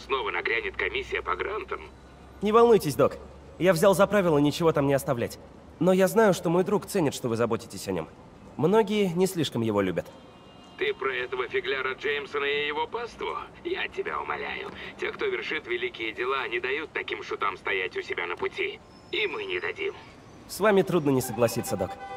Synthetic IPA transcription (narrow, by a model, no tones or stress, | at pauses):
sno̞vənɐɡɾʲænʲɪt̪kɐmʲisʲːɪjəpɐɡɾant̪əm | nʲɪvɐlˠnujtʲɪsʲd̪o̞k | javzʲalˠzɐpɾavʲɪlˠənʲɪt͡ɕɪvo̞t̪amnʲɪɐst̪ɐvlʲætʲ | no̞jaznajʊʂt̪o̞mo̞jd̪ɾukt̪sɛnʲɪt̪ʂt̪ovɨzɐbo̞tʲɪ̥tʲɪsʲɐnʲom | mno̞ɡʲɪjənʲɪsʲlʲiʂkəmjɪvo̞lʲubʲət̪ | t̪ɨpɾɐɛt̪əvəfʲɪɡlʲaɾəd͡ʐejmsənəɪjɪvo̞past̪vʊ̰ | jatʲɪbʲa̰ʊ̰mɐ̰lʲæ̰jʊ̰tʲe̞kt̪o̞vʲɪrʂɨt̪vʲɪlʲikʲɪjədʲɪlˠaɐnʲɪd̪ɐjut̪ːɐkʲimʂʊt̪amst̪ɐjætʲʊsʲɪbʲanəpʊtʲi | imɨnʲɪd̪ɐdʲḭm | svamʲɪt̪ɾud̪nənʲɪsəɡlˠɐsʲit̪sːəd̪o̞k